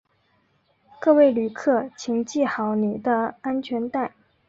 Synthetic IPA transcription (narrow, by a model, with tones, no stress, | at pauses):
kɤ˥˧we˥˩ɪly˨˩kʰɤ˥˩t͡ɕʰi˨˧˩ŋt͡ɕi˥˩xɑ˧˩ʊni˨˩d̪ə˦a˥nt͡ɕʰɥɛ˧˥nt̪a˥˩ɪ